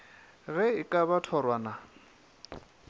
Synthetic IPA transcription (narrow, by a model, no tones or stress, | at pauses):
ɣɛɪkʼabatʰɔrwana